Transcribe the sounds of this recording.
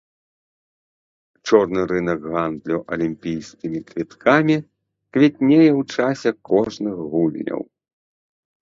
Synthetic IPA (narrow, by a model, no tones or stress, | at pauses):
t͡ʂɔrnɨɾɨnɐkɣand̪lʲuʔɐlʲimʲpʲijskʲimʲikvʲit̪kʰamʲi | kvʲɛt̪̚ʲnʲejɛwt͡ʂasʲɛkɔʐnɨɣɣulʲnʲɐ̰w